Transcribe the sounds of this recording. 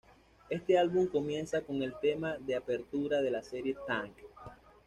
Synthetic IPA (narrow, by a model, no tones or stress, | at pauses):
e̞st̪e̞alβuŋko̞mje̞nsako̞ŋe̞lt̪e̞maðe̞ape̞ɾt̪uɾaðe̞lase̞ɾje̞t̪ãŋk